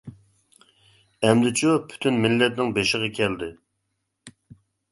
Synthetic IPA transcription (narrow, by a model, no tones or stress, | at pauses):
ɛmd̪ɪt͡ʃʰupʰy̥t̪ʰynmɪlːɛt̪nɪŋbeʃɪʁɑkʲʰɛld̪ɪ